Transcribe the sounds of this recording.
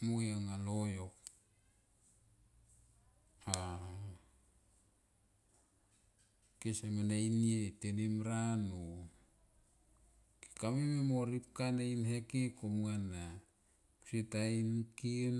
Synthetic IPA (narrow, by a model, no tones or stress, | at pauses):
mojaŋalojok | a | kesamanajnietenimɾanu | ki̥kamememoɾipkanejnɦekekomana | ku̥sitajnkin